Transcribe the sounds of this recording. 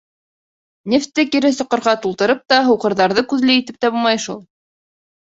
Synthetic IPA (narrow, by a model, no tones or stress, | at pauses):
nʲeft̪ːɘkiɾɘsŏqɤ̆ɾʁɑt̪ulˠt̪ɤ̆ɾɤp̚t̪ɑɦɤ̆wqɤ̆ɾðɑɾðɤkʉðlɘit̪ɘp̚t̪æbulˠmɑjʃulˠ